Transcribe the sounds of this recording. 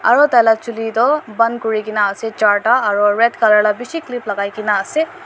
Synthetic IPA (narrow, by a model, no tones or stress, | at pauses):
a̰ɹɔt̪ajlat͡ʃulitɔbankuɹikinaːsɛt͡ʃaɹʈaːɹɔɹɛtkalaɹlabisikliplaɡajkinaːsɛ